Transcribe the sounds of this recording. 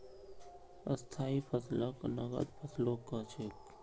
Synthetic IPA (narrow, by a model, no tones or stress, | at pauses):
ə̰st̪ʰaːipʰəsləknəɡə̰d̪pʰəslokət͡ʃʰɪk